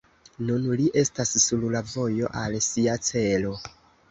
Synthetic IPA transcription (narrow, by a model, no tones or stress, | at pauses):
nunliʔe̞stasːullavo̞jo̞ʔalsiat͡se̞lo̞